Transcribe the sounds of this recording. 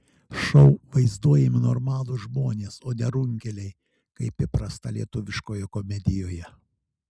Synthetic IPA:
ʃɔʊʋɐɪzd̪uɔjɛmʲɪnoːɾmɑːlˠʊʒmoːnʲeːsoːnʲɛɾʊŋʲkʲɛlʲɛɪ | kɐɪpʲɪpɾɐst̪ɐlʲḭɛt̪ʊʋʲɪʃkoːjɛkomʲɛd̪ʲɪjoːjɛ

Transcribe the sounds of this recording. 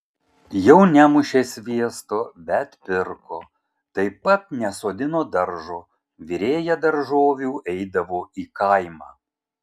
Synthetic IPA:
jɛʊnʲæmʊʃʲeːsʲʋʲiɛst̪oːbʲɛt̪pʲɪɾkoː | t̪ɐɪpɐt̪̚nʲɛsoːd̪ʲɪnoːd̪ɐɾʒoː | ʋʲiɾʲeːjɛd̪ɐɾʒoːʋʲuːʔɛɪd̪ɐʋoːiːkɐɪmɑː

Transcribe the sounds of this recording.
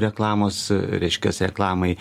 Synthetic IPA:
ɾʲɛklˠɑːmoːsɾʲɛɪʃʲkʲɛsɾʲɛklˠɑːmɐɪ

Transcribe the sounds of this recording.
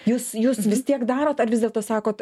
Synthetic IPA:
juːsjuːsʋʲɪst̪ʲiɛkd̪ɑːɾoːt̪ɐɾʋʲɪzʲdʲɛlˠt̪oːsɑːkoːt̪

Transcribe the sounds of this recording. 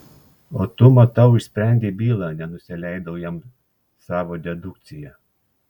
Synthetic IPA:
oːt̪ʊmɐt̪ɐʊɪʃʲsʲpʲɾʲæˑnʲd̪ʲiːbʲiːlˠɑːnʲɛnʊsʲɪlʲɛɪd̪ɐʊjɛm | sɑːʋoːd̪ʲɛd̪ʊk̚t̪sʲɪjɛ

